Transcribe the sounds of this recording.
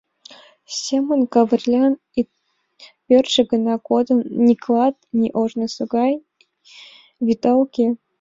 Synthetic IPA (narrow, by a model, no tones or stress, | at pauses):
sʲemə̆nkɑvɘ̆rʲlʲɑn | i | pʲørʲʃɘ̆ɡɤ̆nɑkod̪ɤ̆nnʲiklˠɑt̪̚nʲiʔoʐnɤ̆sŏɡɑj | βʲit̪ɑlkʲe